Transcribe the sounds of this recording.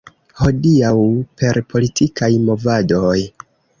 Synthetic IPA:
ho̞diawpʰe̞ɾpʰo̞litʰikajmo̞vado̞j

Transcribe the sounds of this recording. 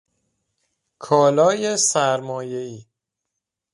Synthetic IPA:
kʰɒːlɒːje̞sæɾmɒːje̞iː

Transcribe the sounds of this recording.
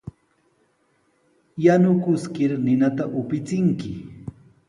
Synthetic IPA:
janʊkʊskɪɾnɪnat̪aʔʊpɪt͡sɪŋkɪ

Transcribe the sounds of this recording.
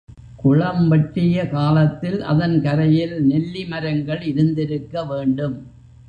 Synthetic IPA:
kʊɻɐmʋɐʈrɪjɐkaːlɐt̪ːɪlʔɐ̰ðɐnkɐɾɐjɪlnɛlːɪmɐɾɐŋɡɐɭɪɾɯnd̪ɪɾɯkːɐʋeːɳɖɯm

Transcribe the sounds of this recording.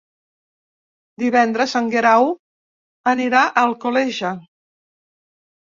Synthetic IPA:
d̪iβɛnd̪ɾəzəŋɡeɾaw | əniɾaʔəlˠkolɛʒə

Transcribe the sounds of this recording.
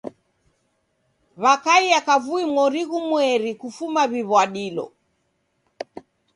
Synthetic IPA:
βakaiakavuimwɔɾiɣumwɛɾikufumaβiβwaɗilɔ̰

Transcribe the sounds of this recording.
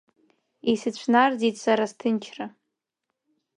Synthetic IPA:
isɨt͡ɕʷʰnard͡zitʼsaɾastʰɨnt͡ʃʰra

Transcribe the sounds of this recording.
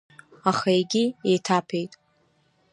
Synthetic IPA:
aχaeɡʲiejtʰapʰe̞jtʼ

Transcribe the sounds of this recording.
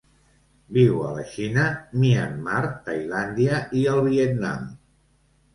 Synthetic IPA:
biwələ̰ʃinəmianːaɾt̪ajland̪iəʔiəlˠβiet̪na̰m

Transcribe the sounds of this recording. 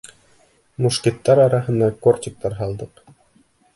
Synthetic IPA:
muʃkʲit̪ːɑɾɑɾɑɦɤ̆nd̪ɑkort̪ʲɪk̚t̪ɑɾɦɑlˠd̪ɤq

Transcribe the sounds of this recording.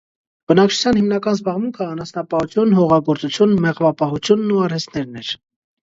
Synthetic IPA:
b̥ənɑk̚t͡ʃʰu̥t͡sʰjɑnhimnɑkɑnzbɑʁmuŋkʰəɑnɑsnɑpɑhut͡sʰjunɦɔʁɑɡɔɾt͡sut͡sʰjunmɛʁvɑpɑhut͡sʰjunːuɑɾɛst̪nɛɾnɛɾ

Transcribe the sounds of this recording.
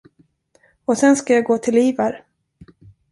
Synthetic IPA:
ɔsɛnskajaɡoːt̪ʰɪliːvaɾ

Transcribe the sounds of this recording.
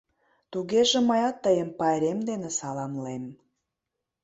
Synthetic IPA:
t̪uɣeʒĕməjɑt̪ːəjəmpɑeɾemd̪enesɑlɑmlem

